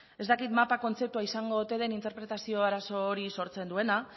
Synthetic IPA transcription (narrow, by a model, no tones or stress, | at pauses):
e̞zt̪akit̪mapako̞nt͡se̞p̚t̪uaisaŋɡo̞ðut̪e̞ð̞e̞nint̪e̞ɾpɾe̞t̪asio̞aɾaso̞ːɾiso̞ɾt͡se̞nd̪ue̞na